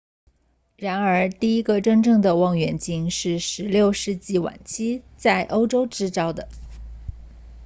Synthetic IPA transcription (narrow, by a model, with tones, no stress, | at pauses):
ɻa˧˥nə˞˧˥t̪i˥˩i˥ɡə˧ʈ͡ʂə˥ŋʈ͡ʂɤ˥˩ŋd̪ə˩wɑ˥˩ŋɥɛ˧˥nt͡ɕi˥ŋʂɻ̩˥˩ʂɻ̩˧˥ljo˥˧ʊʂɻ̩˥˧t͡ɕi˥˩wa̰˨˩nt͡ɕʰi˥t͡sa˥˩ɪʔo˥ʊʈ͡ʂo˥ʊʈ͡ʂɻ̩˥ʈ͡ʂɑ˥ʊd̪ə˨